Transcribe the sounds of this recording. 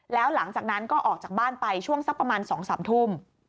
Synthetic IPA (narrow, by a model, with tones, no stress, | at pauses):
lɛː˦˥wla˩˦ŋt͡ɕaː˨˩k̚na˦˥nkɔː˥˩ʔɔː˨˩k̚t͡ɕaː˨˩k̚baː˥˩npa˧jt͡ɕʰu˥˩əŋsa˦˥pːɾa˧maː˧nsɔː˩˦ŋsaː˩˦mt̪ʰuː˥˩m